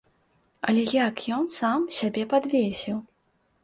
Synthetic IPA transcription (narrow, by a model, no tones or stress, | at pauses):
ɐ̰lʲɛjakjɔnsamsʲabʲɛpad̪vʲesʲiw